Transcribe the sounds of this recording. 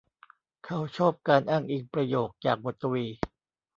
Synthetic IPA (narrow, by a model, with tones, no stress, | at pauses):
kʰa˦˥wt͡ɕʰɔː˥˩p̚kaː˧nʔaː˥˩ŋʔiː˨˩k̚pɾa˧joː˨˩k̚t͡ɕaː˨˩k̚mo˨˩t̪ːwiː˧